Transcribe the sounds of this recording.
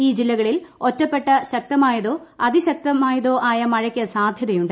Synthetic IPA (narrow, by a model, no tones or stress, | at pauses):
iːd͡ʑilːɐɣɐɭilo̞tːɐpːe̞ʈːɐɕɐk̚t̪ɐmaːjɐðo̞ːɐðiɕɐk̚t̪ɐmaːjɐðo̞ːʔaːjɐmɐɻɐkʲːɐsaːd̪ʱjɐðɐjuɳɖɨ